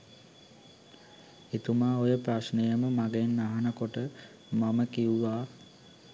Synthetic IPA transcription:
it̪umaːojəpɾasnejəməmaɡenːaɦanəkoʈə | maməkiuʋaː

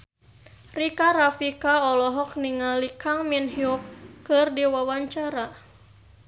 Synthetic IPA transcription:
rikaɾafikaɔlɔɦɔk̚niŋalikaŋminhiukːɨrdiwawaɲt͡ʃaɾa

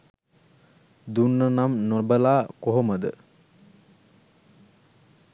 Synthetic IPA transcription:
d̪unːənamnobəlaːkoɦoməd̪ə

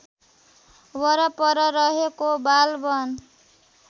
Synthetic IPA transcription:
wʌɾʌpʌɾʌɾʌɦekobalbʌn

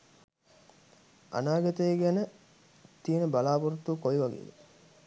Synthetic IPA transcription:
a̰naːɡɐt̪əeɡænə | t̪ijənəbalaːpuɾut̪ːukojiʋɐɡḛːʋḛ

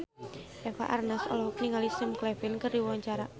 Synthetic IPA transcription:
ʔɛfa̰ʔarnasɔ̰lɔɦɔk̚niŋalisəmklɛfɪnkərdiwwaɲt͡ʃaɾa

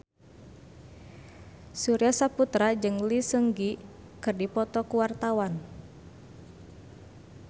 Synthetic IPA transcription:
suɾiasaput̪ɾad͡ʒɨŋlisəŋɡi | kɨrdipɔt̪ɔkuwart̪awan

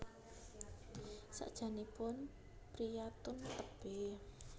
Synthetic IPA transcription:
sa̰ʔd̥ʒ̥a̤nipʊn | pɾijat̪ʊnt̪əb̥ɛ

